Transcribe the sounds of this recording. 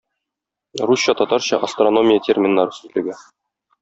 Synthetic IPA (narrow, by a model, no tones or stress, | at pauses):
ruɕːɑt̪ɒt̪ɑɾɕɑʔɐst̪rono̞mʲɪjətʲermʲɪnːɑɾɤsʉzlɘ̆ɡæ